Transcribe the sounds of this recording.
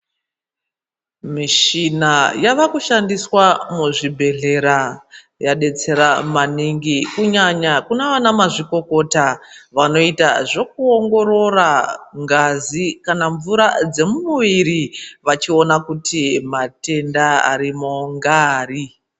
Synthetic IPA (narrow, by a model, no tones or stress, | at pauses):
miʃinajaʋakuʃandiswamuʐibʱe̞ɮe̞ɾa | jaɗe̞t͡se̞ɾamaniŋɡikuɲaɲakunaʋanamaʐiko̞ko̞taʋano̞itaʐo̞k̚uo̞ŋɡo̞ɾo̞raŋɡazikanaɱvuɾad͡ze̞mumuʋiɾiʋat͡ʃio̞nakutimate̞ndaa̰ɾimoŋɡaːri